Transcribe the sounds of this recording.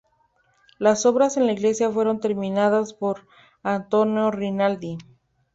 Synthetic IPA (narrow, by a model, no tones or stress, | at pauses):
laso̞βɾase̞nlaiɣle̞sjafwe̞ɾo̞nt̪e̞ɾmĩnaðaspo̞ɾ | ant̪o̞njorinald̪i